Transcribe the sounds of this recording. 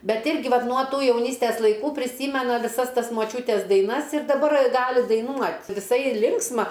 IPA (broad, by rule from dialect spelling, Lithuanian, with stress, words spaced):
ˈbʲɛt ˈɪrʲɡʲɪ ˈʋɐt nuɔ ˈtuː jɛʊˈnʲiːsʲtʲɛs lˠɐɪˈkuː pʲrʲɪˈsʲiːmʲɛnɐ ʋʲɪˈsɐs ˈtɐs moːˈt͡ʃʲuːtʲɛs dɐɪˈnɐs ɪr dɐˈbɐr ˈɡɑːlʲɪ dɐɪˈnuɔt ʋʲɪˈsɐɪ ˈlʲɪŋksmɐ